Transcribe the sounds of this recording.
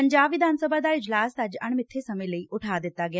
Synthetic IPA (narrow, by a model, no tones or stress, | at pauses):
əɲd͡ʒaːbʋɪd̪ʱaːnsəbaːd̪aːɪd͡ʒlaːsəd͡ʒəɳ̃mɪt̪ʰːeːsəmẽːləiːʔʊʈʰaːd̪ɪt̪ːaːɡɪa